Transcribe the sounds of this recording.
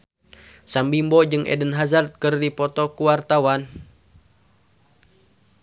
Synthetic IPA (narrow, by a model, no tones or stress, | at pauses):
sambimbɔd͡ʒɨŋʔɛ̰dənɦazart̪̚kɨrdipɔt̪ɔkuwart̪awan